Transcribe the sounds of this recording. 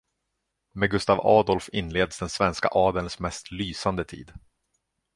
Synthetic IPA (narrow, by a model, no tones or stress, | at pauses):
meɡɵst̪aːvɑːd̪ɔlfɪnleːd̪sd̪ɛnsvɛnska̰ʔɑːd̪əlsmɛst̪lyːsand̪ət̪ʰḭːd̪